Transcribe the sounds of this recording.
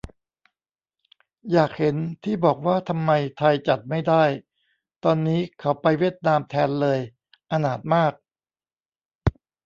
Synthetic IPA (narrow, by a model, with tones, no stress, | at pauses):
jaː˨˩k̚he˩˦nt̪ʰiː˥˩bɔː˨˩k̚waː˥˩t̪ʰa˧mːa˧jt̪ʰa˧jt͡ɕa˨˩t̪̚ma˥˩jdaː˥˩j | t̪ɔː˧nːiː˦˥kʰa˩˦˥wpa˧jwiː˥˩ət̪̚naː˧mt̪ʰɛː˧nlɤː˧j | ʔa˧naː˨˩t̪̚maː˥˩k̚